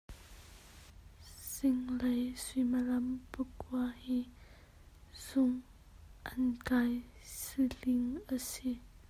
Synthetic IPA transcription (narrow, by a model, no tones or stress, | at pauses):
z̥ɪŋlejsimalɐmpəkʰuahi | z̥ʊŋ | ʔɐnkajsilɪŋʔasi